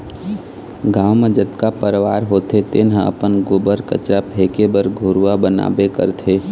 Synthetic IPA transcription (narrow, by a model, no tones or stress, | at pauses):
ɡaːwmed͡ʒət̪kapəɾʋa̰ːɾɦoːt̪et̪enɦə̃ə̰pənɡʊbəɾkə̰t͡ʃɾapʰeːkebəɾɡʱoːɾwabəna̰ːbekə̰ɾt̪ʰeː